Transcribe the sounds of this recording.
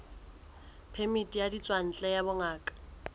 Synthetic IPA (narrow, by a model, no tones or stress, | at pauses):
pʰemitʼijadit͡sʼwan̩t͡ɬʼɛjabʊŋaːkʼḁ